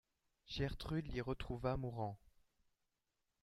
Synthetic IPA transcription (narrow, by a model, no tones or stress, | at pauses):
ʒɛʁt̪χyd̪liʁət̪χuvamuʁɑ̃